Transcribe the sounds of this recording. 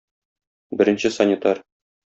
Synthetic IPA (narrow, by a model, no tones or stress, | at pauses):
bɘ̆ɾɘ̆nɕɘsɐnʲɪt̪ɑr